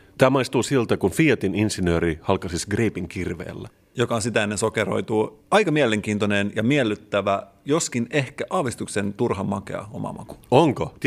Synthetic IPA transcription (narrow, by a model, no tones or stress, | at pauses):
t̪æːmɑist̪uːsilt̪ækunfiɑt̪ininsinøːɾihɑlkɑsisɡreːpiŋkirʋḛːlːæ | jo̞kɑnsit̪æenːeso̞keɾo̰jt̪uːɑjkɑmieleŋk̟iːnt̪onenjɑmielːyt̪ːæʋæ | jo̞skine̞hkæʔɑːʋist̪uksent̪urɦɑmːɑkḛɑ̰o̰mɑ̰mʔɑ̰ku̥oŋkot̪